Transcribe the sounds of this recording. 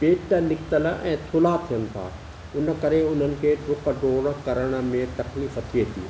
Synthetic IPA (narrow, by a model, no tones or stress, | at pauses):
peːʈənɪkʰt̪əlɛ̃ːt̪ʰʊlat̪ʰijənɪ̆t̪ʰa̰ː | ʊnə̆kɐɾeʊn̤ənɪ̆kʰeːɖʱʊqɖoːɽəkɐɾəɽ̃ə̆mẽt̪ɐxliːfət̪ʰiet̪ʰḭː